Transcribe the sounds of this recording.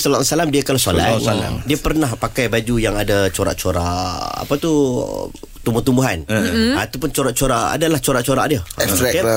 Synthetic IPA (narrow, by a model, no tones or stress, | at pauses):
salasalamdiəkalasola̰la̰diəpərnahpakajbad͡ʒujaŋadat͡ʃoɾa̰ʔt͡ʃoɾaʔa̰pat̪u | t̪umbuht̪umbuɦanat̪upʊnt͡ʃoɾaʔt͡ʃoɾaʔa̰dalaht͡ʃoɾaʔt͡ʃoɾa̰ʔdiəɛɾɛka